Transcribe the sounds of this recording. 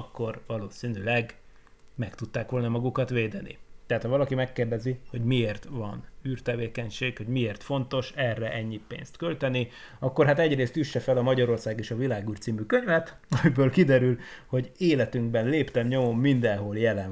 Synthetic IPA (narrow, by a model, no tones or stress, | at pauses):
kːo̞rvɒloːsiːnylɛɡ | mɛkt̪ut̪ːaːkʋo̞lnɒmɒɡukɒt̪ʋeːd̪ɛnḭt̪ɛɦaːt̪hɒvɒlɒkimɛkːeːrd̪ɛziho̞ɟmieːrt̪ʋɒnyːrt̪ɛveːkɛɲʃeːkho̞ɟmieːrt̪fo̞nt̪o̞ʃɛrːɛʔɛɲːipḛːnst̪kølt̪ɛni | ɒkːo̞rɦat̪ɛɟreːst̪yʃːɛfɛlɒmɒɟɒɾo̞rsaːɡeːʃɒvilaːɡyːrt̪siːmykøɲvɛt̪ | ɒmibøːlkid̪ɛɾylho̞ɟeːlɛt̪yŋɡ̚bɛnleːpt̪ɛmɲo̞mo̞mːind̪ɛnɦo̞ljɛlɛn